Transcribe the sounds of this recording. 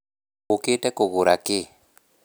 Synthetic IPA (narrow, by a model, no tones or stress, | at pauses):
uketɛkoɣʊɾakɪ